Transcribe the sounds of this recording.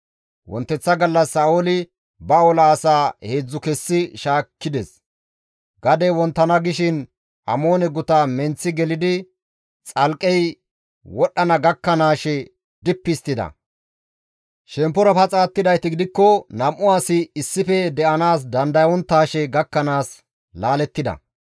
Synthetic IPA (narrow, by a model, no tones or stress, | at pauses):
wɔ̰nt̪ːɛt͡sːɐɡɐlːɐsːɐːoːlɪ | bɐolaːsaːhe̞ːd͡zːʊkɛsːɪʃaːkːɪd̪ɛs | ɡ̥ɐd̪ɛwɔnt̪ːɐnɐɡɪʃɪn | ʔɐ̰mo̞ːnɛɡʊt̪ɐmɛnt͡sːɪɡɛlɪd̪ɪ | t͡sʼɐlkʼːɛj | wɔɗːɐnɐɡɐkːɐnaːʃɛ | d̪ɪpːɪst̪ɪd̪ɐ̰ | ʃɛmpːɔɾɐpɐt͡sʼaːt̪ːɪd̪ɐjt̪ɪɡɪd̪ɪkːɔnɐmʔʊwaːsɪːsːɪfɛd̪ɛʔɐnaːs̬d̪ɐnd̪ɐjwɔnt̪ːaːʃɛɡɐkːɐnaːs | laːlɛt̪ːɪd̪ɐ̰